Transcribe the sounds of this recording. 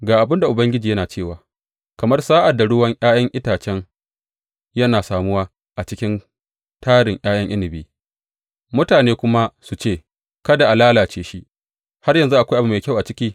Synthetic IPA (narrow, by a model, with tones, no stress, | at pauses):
ɡaː˨ʔa˨bɪ˦nda˨ʔʊ˨bɐ˦ŋɡʲɪ˦d͡ʒiː˨jɐ˦naː˨t͡ʃeː˦˨waː˨ | kɐ˨mɐ˦rsaː˦ʔa˨dːa˨ɽʊ˦wɐ˦ŋʔj̰aː˦jɐ˦ŋʔɪ˦taː˨t͡ʃɛ˦ŋ | jɐ˦naː˨saː˨mʊ˦waː˦ | ʔa˨t͡ʃɪ˦kʲɪ˦n | taː˦ɽɪ˨ŋj̰ʔaː˦j̰ɐ˦ŋʔɪ˦lɪ˨biː˦ | mʊ˦taː˨neː˦kʷʊ˦ma˦su˨t͡ʃeː˦˨ | kɐ˦da˨ʔa˨laː˦laː˨t͡ʃeː˦ʃi˦ʔ | ha˦rjɐ˨nzu˦ʔa˨kʷʔbu˨meː˨jkʲa˦˨wʔa˨t͡ʃɪ˦kʲiː˦